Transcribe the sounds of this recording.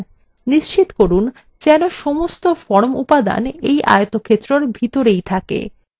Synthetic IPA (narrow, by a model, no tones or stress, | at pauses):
niʃt͡ɕit̪koɾun | d͡ʑɛnoʃɔmost̪ofɔɾmupad̪a̰nejʔa̰jot̪okʰet̪ːɾoɾbʱit̪oɾejt̪ʰakḛ